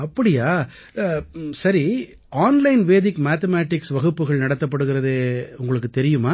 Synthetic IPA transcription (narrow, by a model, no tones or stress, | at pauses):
ɐpːɐɽɪjaː | sɐɾi | aːnlɐɪnʋeːðɪkːmaːt̪ɐmaːʈːɪksʋɐɣɯpːɯɣɐɭnɐɽɐt̪ːɐp̬ːɐɽɯɣɪɾɐðeːʊŋɡɐɭɯkːɯt̪ɛɾɪjɯmaː